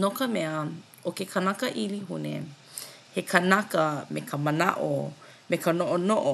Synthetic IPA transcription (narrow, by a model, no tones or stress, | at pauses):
nokəmɛɐ | okekʰɐnakəʔiliɦunḛ | hekʰɐnɐkəmekʰəmɐna̰ʔo̰ | mekənoʔonoʔo